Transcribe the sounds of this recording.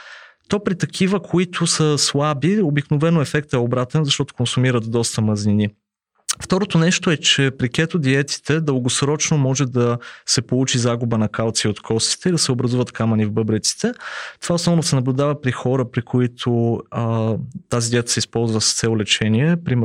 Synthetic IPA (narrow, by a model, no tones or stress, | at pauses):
t̪ɔpɾit̪ɐk̟ʰivəkʰoit̪ʰʊsəslˠabiobiknovɛnoɛfɛk̚t̪ɛobɾat̪ɛnzɐʃt̪ɔt̪o̥konsumiɾət̪d̪ɔst̪əmɐznini | ft̪ɔɾot̪onɛʃt̪oɛt͡ʃɛpɾikʲɛt̪od̪iɛt̪i̥t̪ʰɛd̪əlˠɡosɾɔt͡ʃnomɔʒɛd̪ɐsɛpolˠut͡ʃizaɡubənɐkalˠt̪siot̪kʰɔst̪i̥t̪ɛid̪ɐsɛobɾɐzuvət̪kamɐnivbɤbɾɛt̪si̥t̪ɛt̪ovaosnɔvnosɛnɐblʲʊd̪avəpɾixɔɾəpɾikʰoit̪ʰo | t̪azid̪ʲiɛt̪ə̥sɛispɔlˠzvəsə̥st̪sɛlˠolɛt͡ʃɛniɛpɾim